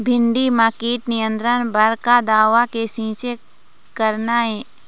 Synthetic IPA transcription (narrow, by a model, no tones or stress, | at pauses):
bʱɪɳɖimaːkiːʈnɪjə̃nt̪ɾənbəɾkad̪aːʋakesĩːt͡ʃe | kəɾnaɦɛː